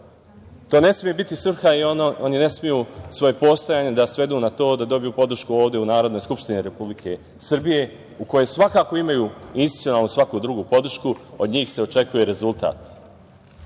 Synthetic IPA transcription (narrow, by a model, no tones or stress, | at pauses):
t̪o̞ːne̞smije̞bit̪isr̩xaionine̞smijusʋo̞je̞po̞st̪ojaːɲe̞d̪asʋe̞d̪uːnat̪o̞ːd̪ad̪o̞bijuːpo̞d̪r̩ʃkuo̞ːʋd̪e̞unaːɾo̞d̪nojskupʃt̪iniɾe̞publikʰe̞ | sr̩bije̞ | uko̞jesʋakaːko̞imajuːinst̪i̥t̪ionaːlˠnusʋakud̪ɾuɡuːpo̞d̪r̩ʃkuod̪ɲiːxse̞ot͡ʃe̞kuje̞ɾe̞zulˠt̪a̰ːt̪